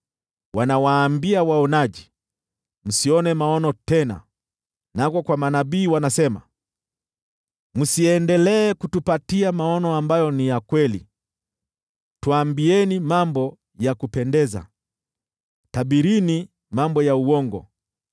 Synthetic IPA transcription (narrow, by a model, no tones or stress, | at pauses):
wanawaːmbiawaɔnaʄi | m̩siɔnɛmaɔnɔtɛna̰ | nakɔkwamanaɓiːwanasɛma̰ | musiɛndɛlɛːkutupatiamaɔnɔambajɔnijakwɛlḭ | tuambiɛnimambɔ | jakupɛndɛza̰ | tabiɾini | mambɔjauwɔŋɡɔ̰